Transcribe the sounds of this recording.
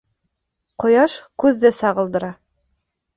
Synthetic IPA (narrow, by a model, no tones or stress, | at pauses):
qŏjɑʃkʉðːɘsɑʁɤ̆lˠd̪ɤ̆ɾɑ